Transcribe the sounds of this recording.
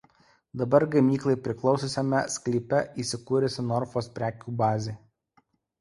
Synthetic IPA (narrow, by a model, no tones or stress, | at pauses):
d̪ɐbɐɾɡɐmʲiːklˠɐɪpʲɾʲɪklˠɒʊsosʲɛmʲɛsʲklʲɪpʲɛiːsʲɪkuːɾʲɛsʲɪnɔɾfoːspʲɾʲæːkʲuːbɑːzʲeː